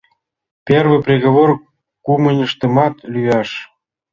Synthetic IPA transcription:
pʲervə̆prʲeɣoβor | kumənʲəʃt̪ə̆mɑt̪lʲyjɑʃ

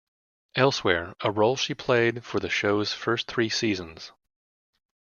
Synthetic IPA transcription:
ɛlˠswɛɹəɹoʊlˠʃipʰl̥eɪd̥fə˞ðɨʃoʊz̥fɜ˞sθɹisizə̃nz̥

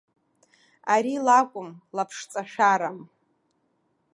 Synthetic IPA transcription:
aɾilakʷʼʊmlapʰʂt͡sʼaʃᶣaɾam

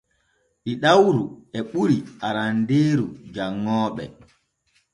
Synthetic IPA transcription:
ʔiɗawɾuɛɓuɾiʔaɾandeːɾud͡ʒaŋːɔːɓɛ̰

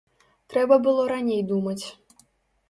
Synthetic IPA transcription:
t̪ɾɛbɐbɨlˠɔɾanʲejd̪umɐt͡sʲ

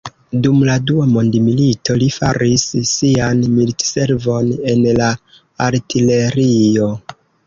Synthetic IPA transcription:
dumladuamo̞ndmilitʰo̞lifaɾisːianmilitse̞ɾvo̞ne̞nla | aɾtile̞ɾio̞

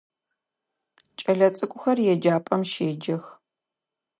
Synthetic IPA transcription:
t͡ʃʼɐɮɐt͡sʼɨkʷʼʊxɐrjɛd͡ʒaːpʼɐmʃeːd͡ʒɐx

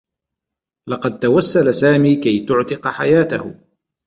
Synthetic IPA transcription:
lɑqɑd̪̚t̪awasːalasaːmiːkajt̪ʊʕt̪ɪqħajaːt̪ahʊ

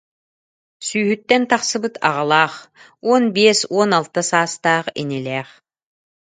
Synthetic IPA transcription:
syːɦyt̪ːɛnt̪aχsɯbɯt̪ʰa̰ʁalˠaːχ | uɔnbiɛsuɔnalˠt̪asaːst̪aːχḭnilʲɛːχ

